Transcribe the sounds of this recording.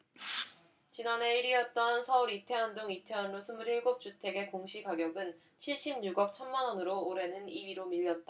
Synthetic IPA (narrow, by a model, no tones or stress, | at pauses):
t͡ɕinane̞iɾiʌt̚t͈ʌnsʰʌuɾitʰe̞ɦandoŋitʰe̞ɦanɾosʰumɯɾiɭɡop̚t͡ɕ͈utʰe̞ɡe̞koŋɕʰikaɡjʌɡɯn | t͡ɕʰiɭɕ͈ʰimɲuɡʌk̚t͡ɕʰʌnmanʌnɯɾoːɾe̞nɯnibiɾomiʎːʌt̚t͈a